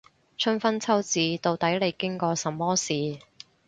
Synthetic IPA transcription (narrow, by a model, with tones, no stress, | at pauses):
t͡ʃʰɵ˥nfɐ˥nt͡sʰɐ˥wt͡siː˨˧t̪o˧wt̪ɐ˨˥jle˨˧jkɪ˥ŋkɔː˧sɐ˨mːɔː˥siː˨˩